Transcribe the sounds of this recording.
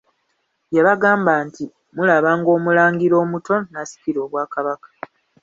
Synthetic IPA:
jaβaɡaːmbaːnti | mulaβaːŋɡo̞ːmulaːŋɡiɾo̞ːmuto̞nasi̥piɾo̞ːβwaːkaβakḁ

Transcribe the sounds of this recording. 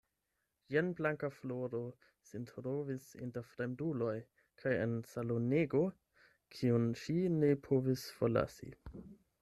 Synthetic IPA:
jenblaŋkafloɾo | sintʰɾovisḭntefɾemdulo̞j | kʰajḛnsaloneɡo | kʰiunʃine̞pʰo̞visfoɾla̰sḭ

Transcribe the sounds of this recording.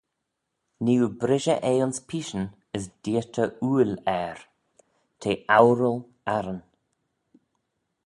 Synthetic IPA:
niːubɾɪʒəʔeːʊnspʰiːʃən | ɪsd̥iːətʰəuːlɛːɹ | tʰeːʔawɾəl | aɾən

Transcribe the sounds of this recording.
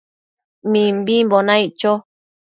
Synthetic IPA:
mĩmbimbonãit͡ʃo

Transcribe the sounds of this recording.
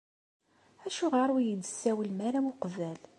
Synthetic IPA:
æʃuʁaɾˤwijəd̪əsːæwəlmæɾæmuqvæl

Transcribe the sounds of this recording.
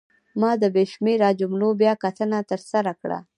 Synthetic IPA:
mɑd̪əbeʃmeɾɑd͡ʒʊmlobjɑkat̪ənat̪əɾsaɾakɽa̰

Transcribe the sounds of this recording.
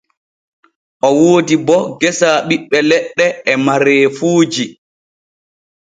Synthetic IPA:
ʔɔwoːdibɔɡɛsaːɓiɓːɛlɛɗːɛɛmaɾeːfuːd͡ʒi

